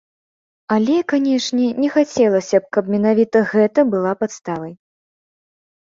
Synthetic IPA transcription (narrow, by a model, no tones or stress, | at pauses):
alʲɛkanʲɛʂnʲɛnʲɛxat͡sʲɛlˠɐsʲɐp̚kɐpmʲɛnavʲit̪ɐɣɛt̪ɐbɨlˠapat̪st̪avɐj